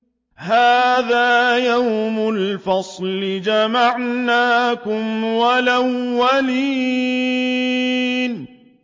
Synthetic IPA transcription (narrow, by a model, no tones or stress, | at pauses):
haːðaːjawmʊlfɑsˤlɪd͡ʒamaʕnaːkʊmwalawːaliː | n